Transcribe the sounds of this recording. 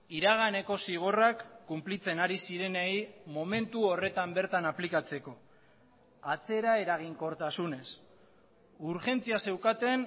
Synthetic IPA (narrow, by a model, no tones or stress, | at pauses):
iɾaɣ̞ane̞ko̞siɣ̞o̞rakːumplit͡se̞naɾisiɾe̞nejmo̞me̞nt̪uore̞t̪ambe̞ɾt̪anaplikat͡se̞ko̞ | at͡se̞ɾae̞ɾaɣ̞iŋko̞ɾt̪asune̞s | uɾʝe̞nt͡siase̞wkat̪e̞n